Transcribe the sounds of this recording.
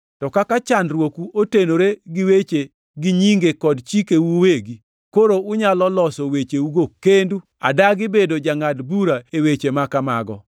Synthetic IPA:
tɔkakat͡ʃanɾwokuʔotenoɾeɡɪwet͡ʃe | ɡɪɲiŋɡekɔdt͡ʃikewuweɡi | koɾoʊɲalɔlɔsɔwet͡ʃeuɡokendu | a̰daɡɪbedod͡ʒaŋadbuɾaewet͡ʃemakama̰ɡɔ̰

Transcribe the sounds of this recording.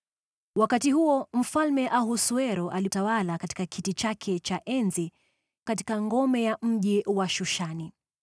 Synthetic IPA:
wakatiɦuɔm̩falmɛʔaɦusuɛɾɔʔalitawalakati̥kakʰitit͡ʃakʰɛt͡ʃaʔɛnzi | kati̥kaŋɡɔmɛjam̩ʄiwaʃuʃani

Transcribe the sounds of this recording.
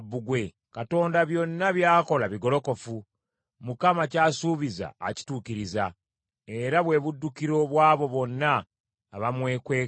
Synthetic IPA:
bːuɡwe̞ | kato̞ːndaβjo̞nːaβjaːko̞laβiɡo̞lo̞ko̞fu | mukamacaːsuβiza̰ːci̥tuːciɾiza | e̞ɾaβwe̞βudːukiɾo̞βwaːβo̞βo̞nːaː | βamwe̞ːkweː

